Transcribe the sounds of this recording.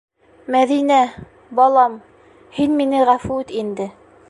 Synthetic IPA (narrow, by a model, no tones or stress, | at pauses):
mæðinæ | bɑlˠɑm | hinminɘʁæfut̪ind̪ɘ